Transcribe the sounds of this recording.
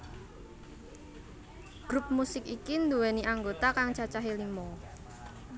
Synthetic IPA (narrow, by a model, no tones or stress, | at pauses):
ɡ̥ɾup̚musɪkikind̪uwɛniʔaŋɡot̪akaŋt͡ʃat͡ʃaɦilimɔ